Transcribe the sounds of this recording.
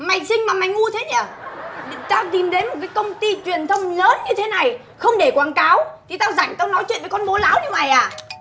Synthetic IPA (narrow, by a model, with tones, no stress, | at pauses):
ma˨˩jŋ̟sï˧ŋ̟maː˨˩ma˨˩jŋʔu˧ət̪ʰe˨˦ɲəː˧˩ | t̪aː˧wt̪i˨˩mɗe˨˦nmo˨˩t̚kaː˨˦jkə˧wŋ͡mt̪i˧t͡ɕwi˨˩ənt̪ʰə˧wŋ͡mləː˨˦nɲɨ˧t̪ʰe˨˦na˨˩j | xə˧wŋ͡mɗe˧˩kwaː˨˩˦nkaː˨˦wt̪ʰi˨˩t̪aː˧wza˧˩jŋ̟t̪aː˧wnɔ˨˦jt͡ɕwḭ˧˨nvə˨˦kɔ˧nmo˨˦laː˨˦wɲɨ˧ma˨˩jʔaː˨˩